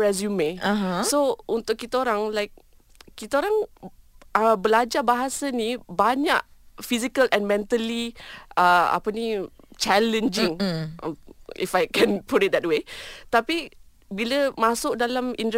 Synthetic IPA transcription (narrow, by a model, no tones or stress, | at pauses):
ɛs̬jumesoʔunt̪ʊkkːit̪əoɾaŋlajk̚ː | it̪əoɾaŋ | əbəlad͡ʒabaɦasənibaɲa̰ʔfizikəlʔɛ̃nmɛ̃nt̪əliəa̰pənit͡ʃɛlə̃nd͡ʒiŋ | ifajkɛ̃npuɾɪt̚d̪ɛt̚wet̪api | biləmasʊk̚dalamint